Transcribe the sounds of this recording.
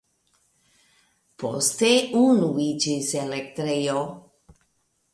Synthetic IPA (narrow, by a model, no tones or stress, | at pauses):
po̰st̪eunuid͡ʒiselek̚t̪ɾejo